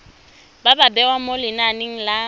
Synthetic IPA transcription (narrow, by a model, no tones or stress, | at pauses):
bababɛwamolɪnanɪŋ̩la